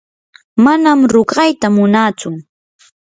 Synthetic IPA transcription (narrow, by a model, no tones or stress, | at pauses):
manamɾʊɢɑjt̪amʊnat͡sʊ